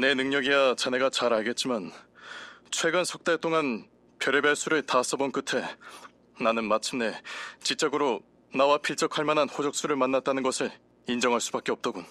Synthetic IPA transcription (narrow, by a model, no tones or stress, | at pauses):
ne̞nɯŋɲʌɡiat͡ɕane̞ɡat͡ɕaɾaɭɡe̞t̚t͡ɕ͈iman | t͡ɕʰwe̞ɡɯnsʰʌk̚t͈eɭt͈oŋan | pjʌɾebjaɭs͈ʰuɾɯɭtas͈ʌbonkɯtʰe̞ | nanɯnmat͡ɕʰɯmne̞t͡ɕit͡ɕ͈ʌɡɯɾo | nawapʰiɭt͡ɕ͈ʌkʰaɭmananɸod͡ʑʌk̚s͈uɾɯɭmanːat̚t͈anɯnɡʌsʰɯɭ | ind͡ʑʌŋɦaɭs͈ubak͈eʌp̚t͈ʌɡun